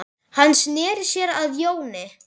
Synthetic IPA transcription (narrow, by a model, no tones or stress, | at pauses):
hanːsnɛːɾsjɛɾaðjoːwnɪ